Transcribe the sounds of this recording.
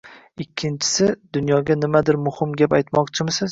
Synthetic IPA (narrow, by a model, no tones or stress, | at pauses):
ɪkʲʰːɪnt͡ʃʰɪ̥sɪd̪ʊnjɒɡʲanɪmad̪ɪɾmʊhɪmɡʲapajt̪mɒqt͡ʃʰɪmɪsɪz